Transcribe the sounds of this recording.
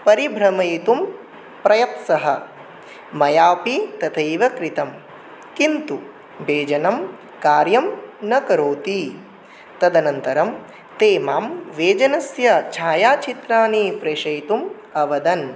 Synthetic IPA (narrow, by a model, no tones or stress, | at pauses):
pɐɾibʱɾɐmɐjt̪um | pɾɐjɐt̪sɐɦɐ | mɐjaːpit̪ɐt̪ʰɐiʋɐkɾit̪ɐm | kint̪u | beːd͡ʒɐnɐm | kaːɾjɐmnɐkɐɾoːt̪i | t̪ɐd̪ɐnɐnt̪ɐɾɐm | t̪eːmaːmʋeːd͡ʒɐnɐsjɐt͡ʃʰaːjaːt͡ʃʰit̪ɾaːnipɾeːʃɐjt̪um | ɐʋɐd̪ɐn